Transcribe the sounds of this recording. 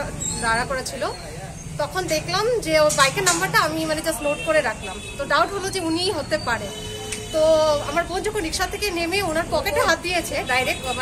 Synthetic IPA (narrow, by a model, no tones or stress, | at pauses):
d̪aɾakɔɾat͡ɕʰilo | t̪ɔkʰond̪ekʰlamd͡ʑebajkenːambaɾʈaamimaned͡ʑasnoʈ̚koɾeɾakʰlamt̪oɖawʈɦolod͡ʑeunijɦot̪epaɾe | t̪oamaɾbond͡ʑokʰonɾikʃad̪t̪ʰːekenemeunaɾpɔkeʈaɦat̪̚d̪ijet͡ɕʰeɖajɾek̚ʈaba